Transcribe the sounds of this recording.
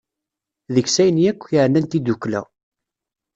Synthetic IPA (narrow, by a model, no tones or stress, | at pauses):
ðəçsæjnijækʷːjəʕnːænt̪id̪ukːlæ̰